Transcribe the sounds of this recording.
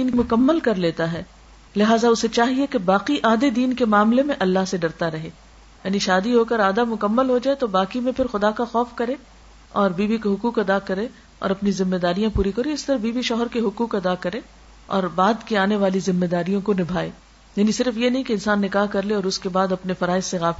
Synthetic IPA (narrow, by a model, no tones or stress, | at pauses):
iːnmʊkəmːəlkɐɾleːt̪aɦɛː | lɪɦaːzaʊset͡ʃaːɦiekebaːqiʔaːd̪ed̪iːnkemaːmlemẽʔɐlːaɦseɖɐɾt̪aɾɐɦeː | jaːniʃaːd̪iɦoːkəɾaːd̪amʊkəmːəlɦod͡ʒaːet̪obaːkimẽpʰɪɾxʊd̪akaxɔːfkɐɾẽː | ɔːɾbiːbikeɦʊkuːqɐd̪akɐɾẽ | ɔ̰ːɾɐpnizɪmːed̪aːɾijãpuːɾikɐɾeɪst̪ɐɾɐbiːbiʃɔːɦəɾkeɦʊkuːqɐd̪akɐɾẽ | ɔ̰ːɾbaːd̪kiaːneʋaːlizɪmːed̪aːɾijõkonɪbʱaːḛː | jaːnisɪɾfjenɐɦĩkeɪnsaːnːɪkaːɦkɐɾleɔːɾʊskebaːd̪ɐpnefɐɾaːɪsːeɣaːf